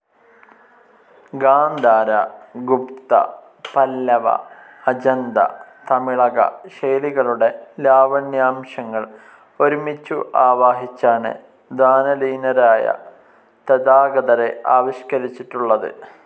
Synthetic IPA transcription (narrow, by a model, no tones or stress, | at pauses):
ɡaːnd̪ʱaːɾɐɡupt̪ɐ̰ | pɐlːɐʋɐ̰ | ɐd͡ʑɐnd̪ɐ̰t̪ɐmiɭɐɣɐ̰ɕeːliɣɐɭuɽe̞laːʋɐnjaːmɕɐŋːɐɭ | o̞ɾumit͡ɕːuʔaːʋaːɦit͡ɕːaːnɨ̰ | d̪aːnɐliːnɐɾaːjɐ̰ | t̪ɐd̪aːɡɐðɐɾeʔaːʋiɕkɐɾit͡ɕːiʈːuɭːɐðɨ̰